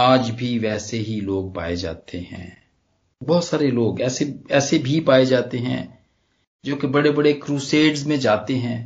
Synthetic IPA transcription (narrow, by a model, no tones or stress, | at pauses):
aːd͡ʒbʱiʋɛːseɦiloːɡ̚pa̰ːed͡ʒa̰ːt̪ʰeɦɛ̰̃ː | bɔːt̪saːɾeloːɡɛːseɛːsebʱipaːed͡ʒaːt̪eɦɛ̰̃ | d͡ʒoːkebɐɽebɐɽekɾuːseːɖzmẽd͡ʒaːt̪eɦɛ̃ː